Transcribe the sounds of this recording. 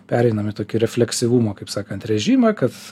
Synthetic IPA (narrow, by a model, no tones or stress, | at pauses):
pʲæːɾʲɛɪnɐmɪt̪oːkʲʊɾʲɛfʲlʲɛksʲɪʋumoːkɐɪpsɑːkɐnt̪ɾʲɛʒʲiːmɐːkɐt̪